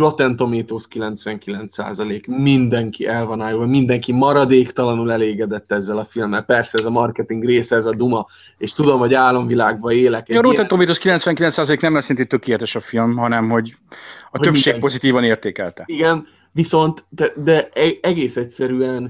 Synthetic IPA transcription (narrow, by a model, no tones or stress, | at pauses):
ro̞t̪ɛnt̪o̞meːt̪oːskilɛnt̪sʋɛŋkilɛnt̪sa̰ːzɒleːkmind̪ɛŋkiʔɛlvɒnaːjovɒmind̪ɛŋkimɒɾɒd̪eːkt̪ɒlɒnulɛleːɡɛd̪ɛt̪ːɛzːɛlɒfilmːɛlpɛrsɛɛzɒmɒrkɛt̪iŋɡreːsɛɛzɒd̪umɒ | eːʃt̪ud̪o̞mho̞ɟaːlːo̞ɱvilaːɡ̚bɒeːlɛkeɾot̪ɛnt̪omeːt̪oskilɛnt̪sʋɛŋkilɛnt̪saːzɒleːknɛmɛsint̪et̪økeːlɛt̪ɛʃɒfilmɦɒnɛmho̞ɟ | ɒtøpʃeːpo̞zit̪iːvɒneːrt̪eːkɛlt̪ɛiɡɛn | viso̞nt̪ɛd̪ɛɛɛɡeːsɛcsɛɾyɛn